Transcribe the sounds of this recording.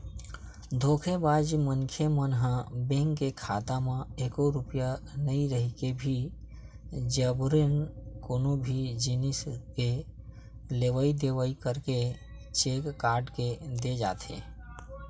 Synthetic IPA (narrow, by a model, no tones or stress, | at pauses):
d̪ʱoːkʰebaːd͡ʒmənkʰemənɦə̃bẽŋkkːekʰaːt̪amãeːkoɾʊpijanəiɾəɦikebʱi | d͡ʒəbɾenkoːnobʱid͡ʒiniske | leʋəid̪eʋəikəɾke | t͡ʃeːkːaːɾɖked̪ed͡ʒa̰ːt̪ʰḛ